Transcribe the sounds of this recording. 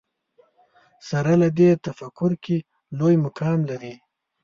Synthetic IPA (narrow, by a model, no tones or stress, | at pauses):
saɾalad̪et̪afakʊɾki | lojmʊkɑmlaɾi